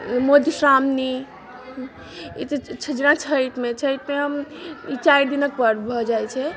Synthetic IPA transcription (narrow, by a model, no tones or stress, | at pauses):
mod̪ʱsɾamni | it̪ət͡ʃʰəd͡ʒnãt͡ʃʰəjt̪met͡ʃʰəjt̪meɦəmit͡ʃajd̪inək̚pəɾbʱɔd͡ʒajt͡ʃʰɛ